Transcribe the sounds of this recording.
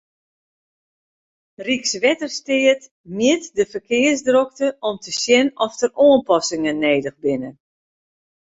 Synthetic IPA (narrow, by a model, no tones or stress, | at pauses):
riksʋɛtərstɪət | mjɪtdəfərkɪərsdrɔk̚təʔɔmtəsjɛnɔftəroːənpɔsɪŋənːeːdəɣbɪnə